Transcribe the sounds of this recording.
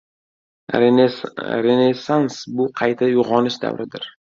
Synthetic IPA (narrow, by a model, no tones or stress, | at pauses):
ɾenesansbʊqʰɑjt̪ʰajʊʁɒnɪʃd̪a̰vɾɪd̪ɪ̰ɾ